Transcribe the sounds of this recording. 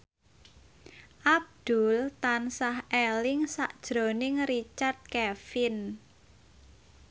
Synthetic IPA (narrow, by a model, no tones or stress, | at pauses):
ʔab̚d̪̥ult̪ansahʔɛlɪŋsaʔd̥ʒ̥ɾo̤nɪŋrit͡ʃart̪̚kɛfɪn